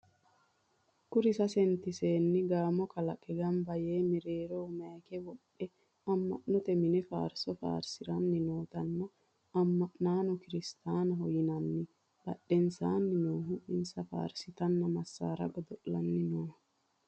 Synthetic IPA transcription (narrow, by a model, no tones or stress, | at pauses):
kʊɾɪsɐsɛnt̪ɪse̞ːnːɪɡaːmɔkɐlɐkʼɛɡɐmbɐjeːmɪɾeːɾoːmaːkɛwɔɗːɛ | ɐmːɐ̰ʔnɔt̪ɛmɪnɛfa̰ːɾsɔfa̰ːɾsɪɾɐnːɪnoːt̪ɐnːɔ | ɐmːɐʔnaːnʊkɪɾɪst̪aːnɐɦɔjɪnɐnːɪ | b̥ɐ̰ɗːɛnsaːnːɪnoːɦʊʔɪnsɐfa̰ːɾsɪt̪ɐnːɐmɐsːa̰ːɾɐ̰ɡɔd̪ɔʔːɐnːɪnoːh